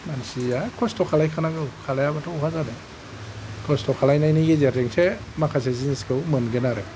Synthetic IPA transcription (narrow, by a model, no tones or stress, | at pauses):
mansiakʰɔstɔkʰalajkʰanaɡɯwkʰalajabatʰɔukʰazanɯ | kʰɔstʰɔkʰalajnajniɡizeɾeŋse | makʰas̬eziniskʰɯwmɯnɡɯnaɾɯ